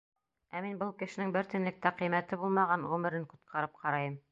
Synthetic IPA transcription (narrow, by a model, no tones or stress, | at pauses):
æminbɤlˠkɘ̆ʃɘ̆nɘŋbɘɾt̪ɘ̆nlɘk̚t̪æqɤjmæt̪ɘbulˠmɑʁɑnʁʉmɘ̆ɾɘŋqu̥t̪̚qʰɑɾɤp̚qʰɑɾɑjɤm